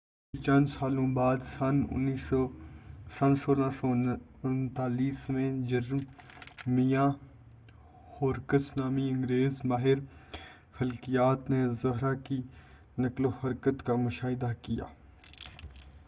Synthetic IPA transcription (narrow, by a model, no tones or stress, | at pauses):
t͡ʃɐ̃nd͡ʒsaːlõbaːd̪sɐnʊ̰nːi | sɐnsoːlãsɔ | ʊnt̪aːliːsmẽd͡ʒɐɾmmijãː | hoːɾkəsnaːmiɪ̃ŋɡɾeːzmaːɦɪɾ | fɪlkijaːt̪nezʊɦɾaki | nɐklohɐɾkət̪kamʊʃaːɦɪd̪akija̰ː